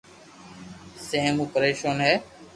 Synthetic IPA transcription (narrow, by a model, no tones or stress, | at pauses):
seɦə̃muːpəɾeːʃoːnɦɛː